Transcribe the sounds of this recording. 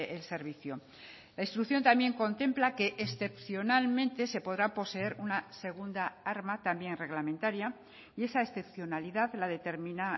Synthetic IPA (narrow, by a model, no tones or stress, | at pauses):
else̞ɾβiθjo | laĩnst̪ɾukθjo̞nt̪amje̞ŋko̞nt̪e̞mplake̞ʔːsθe̞pθjo̞nalmẽ̞nt̪e̞se̞po̞ðɾapo̞se̞e̞ɾunase̞ɣ̞und̪aaɾmat̪ambje̞nre̞ɣlamẽnt̪aɾja | ie̞sae̞sθe̞pθjo̞naliðaðlaðe̞t̪e̞ɾmĩna